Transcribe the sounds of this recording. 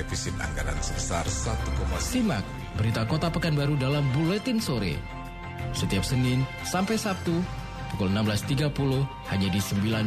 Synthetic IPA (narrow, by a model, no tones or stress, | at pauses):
defisɪt̪̚a̰ŋɡaɾa̰nsəɾsarsat̪ukɔmassima̰k̚ | bəɾit̪akot̪apəkanbaɾudalambulɛt̪ɪnsoɾḛ | sət̪iap̚sənɪn | sampajsap̚t̪u | pukʊlənamblast̪iɡapulʊh | haɲadisəmbilan